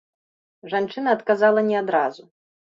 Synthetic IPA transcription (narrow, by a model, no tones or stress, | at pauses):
ʐant͡ʂɨnɐːt̪kazalˠɐnʲɛad̪ɾazu